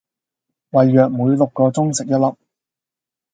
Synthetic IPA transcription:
wɐ˨jːœː˨k̚muː˨˧jlʊ˨kːɔː˧t͡sʊ˥ŋsɪ˨k̚jɐ˥t̚lɐ˨p̚

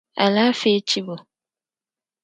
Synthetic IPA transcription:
a̰˨la˦fe˦t͡ʃi˦bo˨

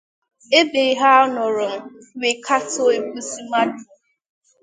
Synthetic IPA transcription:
e˦be˨ɦa˦ɔ˦nɔ˨ɾʊ˨m̩˦ | we˨kʰa˦to˦e˨bu˦si˦ma˦du˨

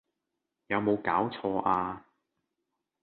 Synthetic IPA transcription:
jɐ˨˧wmo˨˧wkaː˨˥wt͡sʰɔː˧ʔaː˧

